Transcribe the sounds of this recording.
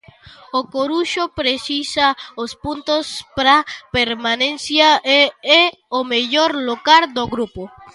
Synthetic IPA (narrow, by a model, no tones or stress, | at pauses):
okoɾuʃopɾesisaospunt̪ospɾapeɾmanẽnsjaee | omeʎoɾlokaɾd̪oɣɾupo